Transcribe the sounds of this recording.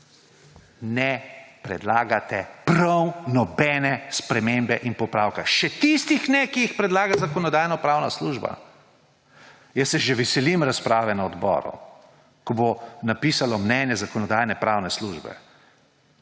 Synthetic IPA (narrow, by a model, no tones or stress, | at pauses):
nɛpɾɛd̪laːɡat̪ɛpɾɐwnɔbɛnɛspɾɛmembɛʔinpɔpɾaːwkaʃɛt̪ist̪ixnɛkiixpɾɛd̪laːɡazakɔnɔd̪aːjnɔpɾaːwnasluːʒba̰ | jəsːɛʒɛʋɛsɛlimɾaspɾaːʋɛnaɔd̪bɔ̰ːɾṵ | kɔbonapiːsalɔmnɛnjɛzakɔnɔd̪ajnɛpɾaːwnɛsluʒbɛ̰